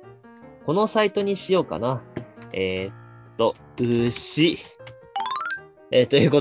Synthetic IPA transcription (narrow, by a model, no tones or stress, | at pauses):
ko̞no̞sait̪o̞ɲ̟iɕijo̞ːka̰naeː | t̪ːo̞ | ɯɕi | eːt̪o̞jɯ̟ːko